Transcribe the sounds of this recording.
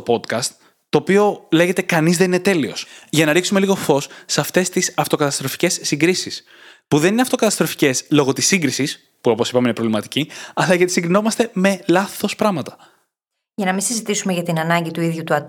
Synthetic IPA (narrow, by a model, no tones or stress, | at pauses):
opo̞t̪kɐst̪ː | o̞ːpio̞le̞ʝe̞t̪e̞kɐnizðe̞nine̞t̪e̞lio̞̰sʝɐnɐɾiksume̞liɣo̞fo̞sːeɐft̪e̞st̪isɐft̪o̞kɐt̪ɐst̪ɾofi̥ce̞sːiŋɡɾisis | puðenineɐft̪o̞kɐt̪ɐst̪ɾo̞fi̥ce̞slo̞ɣo̞t̪isiŋɡɾisis | puo̞po̞sipɐminepɾo̞vlimɐt̪i̥ciɐlɐʝɐt̪isiŋɡɾino̞mɐst̪e̞me̞lɐθo̞spɾɐmɐt̪ɐ̥ | ʝɐnɐmĩsizit̪isumeʝɐt̪inɐnɐɲɟit̪uiðʝut̪uɐ